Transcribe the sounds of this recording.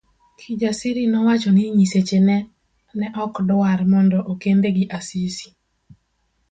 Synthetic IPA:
kʰid͡ʒasiɾinɔwat͡ʃɔniɲiset͡ʃenɛ | nɛʔɔkdʊaɾmɔndɔʔokend̪eɡiʔasisi̥

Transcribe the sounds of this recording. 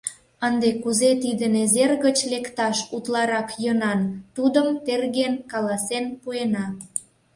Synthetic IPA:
ənd̪ekuzet̪id̪ənezerɣət͡ɕlekt̪ɑʃut̪lɑɾɑkjənɑnt̪ud̪əmt̪erɣenkɑlɑsenpuenɑ

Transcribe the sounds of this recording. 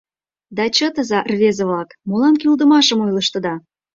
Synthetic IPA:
d̪ɑt͡ɕət̪əzɑʔrβezə̆βlɑkmolɑnkyld̪ə̆mɑʃəmojləʃt̪ə̆d̪ɑ

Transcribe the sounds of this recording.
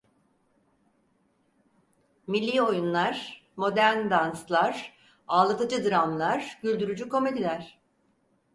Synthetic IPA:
milʲːiːo̞junlˠaɾ̥ | mo̞d̪æɾnd̪anslˠaɾ | aːlˠat̪ʰɯd͡ʒɯd̪ɯɾamlˠaɾ̥ɟylʲd̪yɾyd͡ʒyko̞me̞d̪ilʲæɾ̥

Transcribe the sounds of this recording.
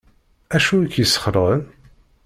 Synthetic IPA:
æʃuikjəsːə̥χəɾˤʁən

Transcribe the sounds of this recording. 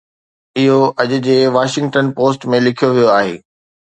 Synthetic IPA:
ɪɦoʔɐʄʊ̆d͡ʑeːʋaːʃɪ̃ŋɡʈənpoːsʈmẽlɪkʰijoʋijoaːɦḛː

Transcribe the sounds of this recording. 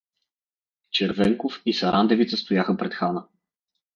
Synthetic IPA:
t͡ʃɛɾvɛŋkofisɐɾʔand̪ɛvit̪səst̪ojaxəpɾɛt̪xanə

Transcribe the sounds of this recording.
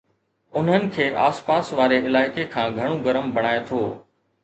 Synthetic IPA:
ʊn̤ənɪ̆kʰeːʔaːspaːsʋaːɾeɪlaːɪkekʰãːɡʱɐɽ̃oɡɐɾəmbʱɐɽ̃aːet̪ʰoː

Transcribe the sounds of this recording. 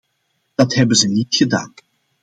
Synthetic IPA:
d̥ɑtɦɛbənzənitxəda̰ːn

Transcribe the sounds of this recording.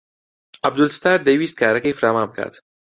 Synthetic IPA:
ab̚d̪ʊlst̪aːɾd̪awiːst̪̚kʰaːɾakefɾaːmaːmbkʰa̰d̪̥

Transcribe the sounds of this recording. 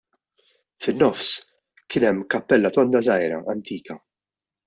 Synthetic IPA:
fɪnːɔfs | kɪːnɛmːkɐpːɛlːɐt̪ɔnd̪ɐzɐjɾɐ̰ʔɐnt̪iːkɐ

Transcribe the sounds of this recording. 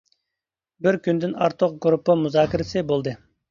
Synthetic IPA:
bɪɾkʲynd̪ɪnɑɾt̪ʰʊq̚ɡɾupːəmuzɑːkʰʲɪɾɪsɨbolˠd̪ɨ

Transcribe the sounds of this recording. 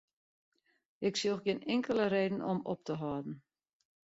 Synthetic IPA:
ɪksioxɡɪnɪŋkələɾeːdən̩ɔ̰mɔ̰p̚təɦɔːdn̩

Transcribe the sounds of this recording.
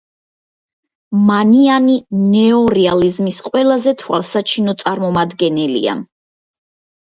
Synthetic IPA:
manianinɛɔɾɛalizmisqʼwɛlˠazɛt̪ʰwalˠsat͡ʃʰinɔt̪sʼaɾmɔmad̪ɡɛnɛlḭa̰

